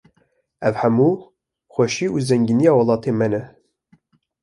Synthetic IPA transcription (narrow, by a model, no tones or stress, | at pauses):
ɛvhɛmuː | xʷɛʃiːuːzɛŋɡinijɑːwɑlˠɑːt̪ʰeːmɛnɛ